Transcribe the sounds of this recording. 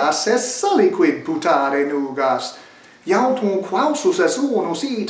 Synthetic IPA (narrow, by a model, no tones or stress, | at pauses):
asɛssalikʰwid̚put̪ʰaːɾenuːɡas | jawt̪ʰũnkʰwawsusɛsoːnusiːt